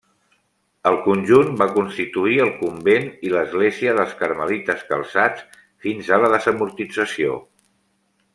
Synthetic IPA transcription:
əlˠkunʲʒunbakunst̪it̪uiəlˠkumbeniləzɣleziəðəlˠskəɾməlit̪əskə̰lˠsat͡s | finzələðəzəmuɾt̪id͡zəsio̰

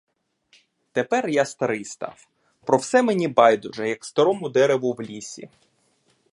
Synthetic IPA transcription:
t̪epɛrjast̪ɐɾɪjst̪ɑ̰w | pɾɔwsɛmenʲibɑjd̪ʊʒɛjɐkst̪ɐɾɔmʊd̪ɛɾeʋʊwlʲisʲḭ

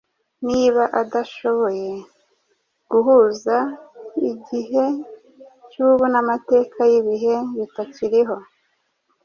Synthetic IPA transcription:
niβaʔadaʃo̞βo̞je̞ | ɡ̥uɦuzaiɟiɦe̞ | cuβunamate̞ːkʰajiβiɦe̞βitaciɾiɦo̞

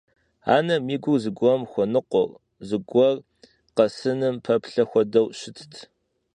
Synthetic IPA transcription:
a̰ːnɐmiːɡʷʊzɨɡʷɔmxʷɔnɨqʷɔ̰r | zɨɡʷɔr | qɐsɨnɨmpʰɐpɬɐxʷɔdɐwɕɪtʰtʰ

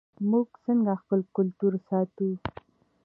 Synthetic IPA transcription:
muɡsəŋɡaxpəlkʊlt̪uɾsɑt̪u

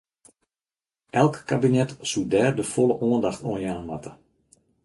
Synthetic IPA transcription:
ʔɛlˠkːabinɛtsudɛːrdəfɔlˠəʔɔəndaxtoənjɛnənmatə

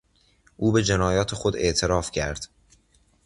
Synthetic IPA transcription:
ʔuːbe̞d͡ʒe̞nɒːjɒːt̪ʰexod̪e̞̰ʔt̪ʰe̞ɾɒːfcʰæɾd̪̥

